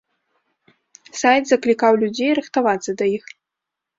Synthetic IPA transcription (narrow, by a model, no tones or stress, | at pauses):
sajt̪zɐklʲikawlʲud͡zʲejɾɨxt̪avat̪sɐd̪ɐjix